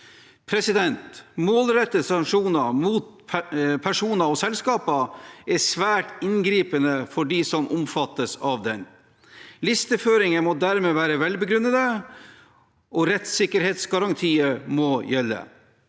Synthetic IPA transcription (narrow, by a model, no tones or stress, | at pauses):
pʰɾɛsɪd̪ɛnt̪moːlɾɛt̪ːəsɑŋʂuːnɑmuːt̪̚ | pʰæʂuːnɑɔsɛlskɑːpəɛsʋæːʈɪnɡɾiːpənəfɔɖiːsɔmʔʊmfɑt̪ːəsɑʋd̪ɛn | lɪst̪əføːɾɪŋəmɔd̪æːɾmeːʋæːɾəʋɛlbəɡɾʉnːəd̪ə | ʔɔɾɛt̪sɪkːəɾheːt̪sɡɑɾɑŋt̪ʰiːəmɔjɛlːə̰